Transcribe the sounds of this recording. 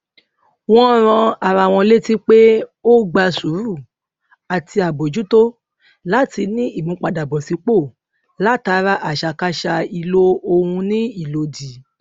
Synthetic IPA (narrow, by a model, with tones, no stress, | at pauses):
w̃ɔ̃˦ɾ̃ã˧a˨ɾa˨w̃ɔ̃˧le˦ti˦k͡pe˦o˦ɡ͡ba˧su˨˦ɾu˦˨ | a˨tʰi˧a˨bo˨d͡ʒu˨˦to˦ | la˦ti˧nĩ˦i˦˨mũ˨˦k͡pa˧da˨bɔ˨si˨˧k͡po˦˨ | la˦ta˧˦ɾa˦ʔa˨ʃa˧˨ka˧ʃa˧i˧lo˦o˧hũ˧nĩ˦i˦˨lo˧˦di˨